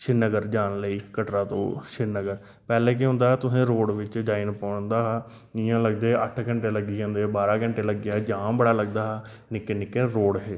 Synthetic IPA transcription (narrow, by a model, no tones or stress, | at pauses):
ʃʰɪnːəɡəɾd͡ʒaːnləiːkəʈɾaːt̪õ̰ːʃɪnːəɡəɾ | pɛːleːk̬eɦʊ̃ːnd̪aːɦɛːt̪ʊsẽːɾoːɽʋɪt͡ʃd͡ʒaːinpɔːɳd̪aːɦː | nijãːləɡd̪eːəʈʰkəɳʈeːləɡiãːnd̪eːbaːɾaːkəɳʈeːləɡjaːd͡ʒãːbəɽaːləɡ̚d̪aːɦː | nɪkeːnɪkeːɾoːɽɦeː